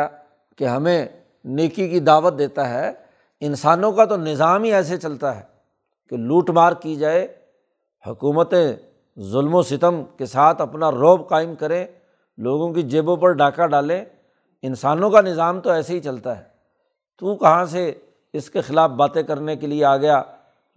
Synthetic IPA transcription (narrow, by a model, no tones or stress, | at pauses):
keɦɐmẽ | neːkikid̪aːʋət̪̚d̪eːt̪aɦɛ | ɪnsaːnõkat̪onɪzaːmɦiɛːs̬et͡ʃɐlt̪aɦɛː | keluːʈmaːɾɡ̚kid͡ʒaːe | hʊkuːmət̪ẽ | zʊlmosɪt̪əmkesaːt̪ʰɐpnaɾoːbqaːɪmkɐɾẽ | loːɡõkid͡ʒeːbõpɐɾɖaːkaɖaːlẽ | ɪnsaːnõkanɪzaːmt̪oɛːseɦit͡ʃɐlt̪aɦɛː | t̪ukɐɦãse | ɪskexɪlaːfbaːt̪ekɐɾnekelieaːɡɐjaː